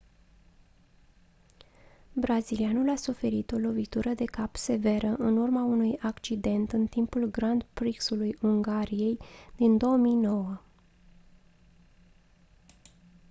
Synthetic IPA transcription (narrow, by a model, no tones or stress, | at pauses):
bɾazilianulasufe̞ɾit̪o̞lo̞vit̪uɾəd̪e̞kapse̞ve̞ɾəʔɨnurmaunujakt͡ʃid̪e̞nt̪ɨnt̪impulɡɾand̪pɾiksulujuŋɡaɾije̞jd̪̥ind̪o̞əmijno̞wə